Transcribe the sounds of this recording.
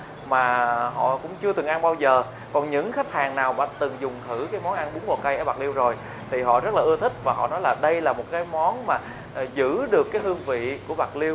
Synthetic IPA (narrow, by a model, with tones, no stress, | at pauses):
maː˨˩ɦɔ̰˧˨kʊ̰˧˥ŋ͡mt͡ɕɨ˧ət̪ɨ˨˩ŋʔa˧nɓaː˧wzəː˨˩ | kɔ˨˩nɲɨ̰˧˥ŋxa˦˥k̟̚haː˨˩ŋnaː˨˩wɓa̰ː˧˩t̪ɨ˨˩ŋzʊ˨˩ŋ͡mt̪ʰɨ˧˩kaː˨˦jmɔ˨˦nʔa˧nɓu˨˦ŋvo˨˩kə˧jʔəː˧˩ɓa˨˩k̚li˧wzo˨˩j | t̪ʰi˨˩ɦɔ̰˧˨zə˦˥t̚laː˨˩ʔɨ˧ət̪ʰï˦˥k̟̚vaː˨˩ɦɔ̰˧˨nɔ˨˦jlaː˨˩ɗə˧jlaː˨˩mo˨˩t̚kaː˨˦jmɔ˨˦nmaː˨˩ | zɨ̰˧˥ɗɨ˨˩əkːaː˨˦jɦɨ˧əŋvḭ˧˨ku˧˩əɓa˨˩k̚li˧əw